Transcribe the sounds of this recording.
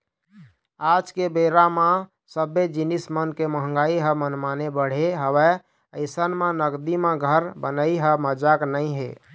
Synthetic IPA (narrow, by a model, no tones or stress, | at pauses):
ad͡ʒkebeɾamã | səbed͡ʒinismənkeməɦə̃ŋɡaiɦəmənmanebəɽ̤eɦəwɛ | əɪsənmẽnəɡd̪imẽɡʱəɾbənəiɦəməd͡ʒaknəɪɦe